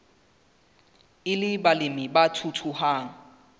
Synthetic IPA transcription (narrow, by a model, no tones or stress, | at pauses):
ɪlɪbalɪmɪbatʰutʰuhaːŋ̩